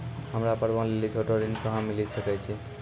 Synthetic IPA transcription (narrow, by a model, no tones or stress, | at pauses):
ɦəmɾapəɾbanlelid͡ʒ̪ʰʱoʈoɾinkəɦãmilisəkɛt͡ʃʰi